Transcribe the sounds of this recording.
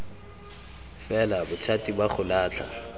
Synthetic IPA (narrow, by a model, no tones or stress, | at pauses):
fɛlabʊt͡sʰatʼibaχʰʊlaːt͡ɬʰa̰